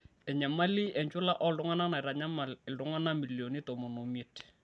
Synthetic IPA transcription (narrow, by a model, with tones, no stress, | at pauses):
ɛ˨ɲa˨ma˦li˦ʔɛ˨ɲt͡ʃʊ˦la˦ʔɔ˦ldʊ˦ŋa˦na˦na˨ɪ˨ɾa˨ɲa˦ma˨lɪ˨ldʊ˨˦ŋa˦na˦mi˨ljo˨ni˦to˨mo˨no˨mi˦t